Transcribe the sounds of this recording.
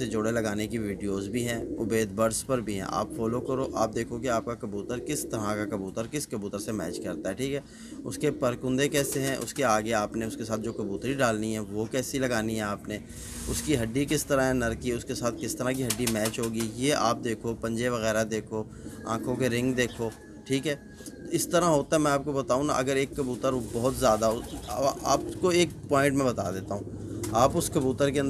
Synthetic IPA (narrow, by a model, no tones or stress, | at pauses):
sed͡ʒʊɽelɐɡaːnekiʋiːɖijoːzbʱiɦɛ̃ːʊbeːd̪̚bɐɾspɐɾbʱiɦɛ̰̃ʔa̰ːpfɔːlokɐɾoːʔaːp̚d̪eːkʰokeaːp̚kakɐbjuːt̪əɾkɪst̪ɐɾakakɐbuːt̪əɾkɪskɐbuːt̪əɾsemɛ̰ːt͡ʃkɐɾt̪aɦɛʈʰiːkɦɛː | ʊskepɐɾkʊ̃nd̪ekɛːseɦɛ̃ʔʊ̰skeaːɡeaːpneʊskesaːt̪̚ʰd͡ʒoːkɐbuːt̪ɾiɖaːlniɦɛ̃ʋokɛːsilɐɡaːniɦɛ̃aːpne | ʊskiɦɐɖːikɪst̪ɐɾaɦɛ̃nɐɾkiʊskesaːt̪̚ʰkɪst̪ɐɾãk̬iɦɐɖːimɛːt͡ʃɦoːɡijeʔa̰ːp̚d̪eːkʰopɐ̃ɲd͡ʒeʋɐɣɛːɾad̪eːkʰo | ã̰ːkʰõkeɾɪ̃ŋɡd̪eːkʰoː | ʈʰiːkɦɛː | ɪst̪ɐɾaɦoːt̪aɦɛmɛ̃aːp̚kobɐt̪aːũna̰ʔɐɡəɾeːkːɐbuːt̪əɾbɔɦʊt̪zjaːd̪aʊa̰ːpkoeːk̚pɔːɪ̃ɳʈmẽbɐt̪a̰ːd̪eːt̪aɦũː | aːpʊskɐbuːt̪əɾkeɐ̃nd